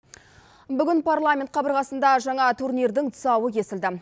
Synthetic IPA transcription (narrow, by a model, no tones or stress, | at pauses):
bʏɡʲɪnpʰarlˠamʲent̪qʰɑbəɾʁɑsənd̪ɑʒɑɴɑt̪ʰurniɾd̪ɪŋt̪ʰʊ̥sɑwəkʲʰe̞sɪld̪ɪ